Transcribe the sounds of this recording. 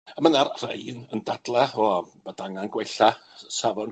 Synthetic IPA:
mənarr̥ḛjnəndadlˠaɔb̥adaŋanɡwɛjɬasavɔn

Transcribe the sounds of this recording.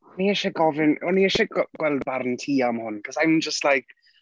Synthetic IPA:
niɛʃɛɡɔvɪnɔniɛʃɛɡɡwɛlˠd̚barntʰiːamhʊnkʰɔsajmd͡ʒəstlajk

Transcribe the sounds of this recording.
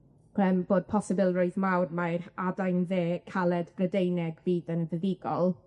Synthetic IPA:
əmb̥oːd̚pʰɔsɪbɪlˠrɔɨðmawrmaradajnðeːkʰalˠɛdbrədejnɛɡviːðənvəðɪɡɔlˠ

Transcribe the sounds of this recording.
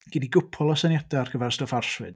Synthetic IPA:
ɡ̥iniɡʊpʰɔlˠɔsanjadarɡəvɛrstoːfarswɨd̥

